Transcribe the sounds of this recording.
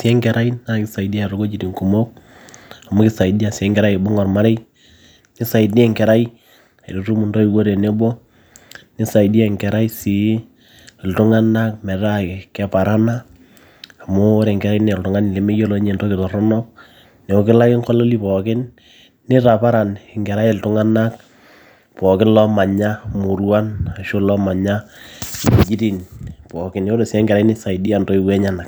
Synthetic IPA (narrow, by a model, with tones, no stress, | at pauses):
sɪ˦ɛ˦ŋkɛ˨ɾʔa˦i˦na˦kɪ˦sa˨idi˦a˦ɾo˦ɡo˦t͡ʃi˨ti˨ŋku˨mo˦k̚ | a˨mo˦kɪ˦sa˨i˦di˦a˨sɛ˦ŋɡɛ˨ɾa˦jbo˦ŋɔ˨rma˦ɾe˦j | nɪ˦sa˨ɪ˨dɛ˦˨ŋkɛ˨ɾa˦i˦ | a˨jɾo˨tu˦mu˨ndo˦i˨wo˦ɾe˨ne˦bo˦ | nɪ˦sa˨idi˦ɛ˨ŋkɛ˨ɾa˦i˦si˨˦˨ | ltʊ˦ŋa˦na˦k̚mɛ˨ɾa˦˨kɛ˨pa˨ɾa˦na˦ | a˨mo˦ɾe˨ŋɡɛ˨ɾa˦i˦n˦˨ltʊ˨ŋa˦nɪ˨le˨me˦jo˦lo˦ɲe˨nto˦kɪ˨tɔ˨ɾɔ˦nɔ˦k̚ | ne˨o˦kɪ˦la˦kɪ˦ŋkɔ˦lo˦li˦pɔ˨kɪ˦nː | ɪ˦ta˨pa˦ɾa˨nɪ˨ŋɡɛ˨ɾa˦je˨ltʊ˦ŋa˦na˦k̚ | pɔ˨kɪ˦n˦lɔ˦ma˨ɲa˦mu˨ɾwa˦na˨ʃo˦lɔ˦ma˨ɲa˦˨ | i˨d͡ʒi˦ti˨npɔ˨kɪ˦n˦o˦de˨si˨a˦ŋɡɛ˨ɾa˨˦i˦nɪ˦sa˨idi˦a˨nto˦i˨wɛ˦ɲa˦na˨k̚